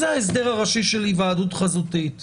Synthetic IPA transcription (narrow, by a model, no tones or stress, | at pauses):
zeaes̬d̪eʁaʁaʃiʃelivaːd̪utχazut̪it